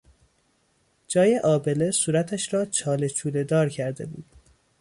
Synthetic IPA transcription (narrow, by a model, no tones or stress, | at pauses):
d͡ʒɒːje̞ʔɒːbe̞le̞suːɾæt̪ʰæʃɾɒːt͡ʃʰɒːle̞t͡ʃʰuːle̞d̪ɒːɾcʰæɾd̪e̞̰bṵːd̪̥